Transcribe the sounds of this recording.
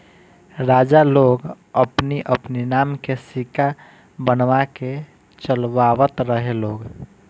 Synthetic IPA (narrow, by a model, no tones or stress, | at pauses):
ɾaːd͡ʒaloɡ | əpniʔəpninaːmkesika | bənʋake | t͡ʃəlʋawət̪ɾəɦeloːɡ